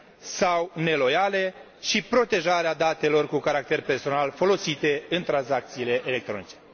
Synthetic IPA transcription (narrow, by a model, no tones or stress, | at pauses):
sawne̞lo̞jale̞ | ʃipɾo̞t̪e̞ʒaɾead̪at̪e̞lo̞rkukaɾak̚t̪e̞rpe̞rso̞nalfo̞lo̞sit̪e̞ɨnt̪ɾansak̚t̪siːle̞ʔele̞k̚t̪ɾo̞nit͡ʃe̞